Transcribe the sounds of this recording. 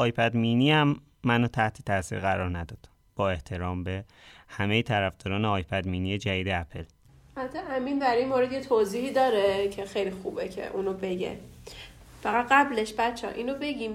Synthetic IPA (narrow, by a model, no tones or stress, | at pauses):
ɒːjpʰæd̪miniːæmː | ænot̪ʰæht̪ʰe̥t̪ʰæsḭːɾɣæɾɒːɾnæd̪ɒːd̪̥ | b̥ɒːe̞ht̪ʰe̞ɾɒːmbe̞ | hæmejet̪ʰæɾæfd̪̥ɒːɾɒːneɒːjpʰæd̪minijed͡ʒæjiːd̪eæpʰḛl | t̪ʰːɛʔæmind̪æɾinmoːɾed̪jet̪ʰoziːhiːd̪ɒːɾecʰexejlixuːbecʰḛʔuːnobe̞ɟḛ | fæɣæt̪ɢæbleʃbæt̪t͡ʃʰːʔiːnobe̞ɟiːm